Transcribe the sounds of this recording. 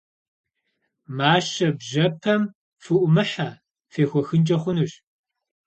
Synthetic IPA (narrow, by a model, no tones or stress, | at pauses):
maːɕɐbʑɐpʰɐm | fɨʔʷʊmɨħaː | feːxʷɔxɨnt͡ʃʼɐχʷʊnuɕ